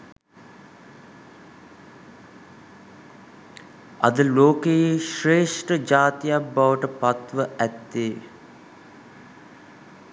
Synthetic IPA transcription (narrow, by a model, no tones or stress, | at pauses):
ɐ̰d̪əloːkejeʃreːʂʈəd͡ʒaːt̪ijabːaʋəʈəpat̪ʋəʔæt̪ːeː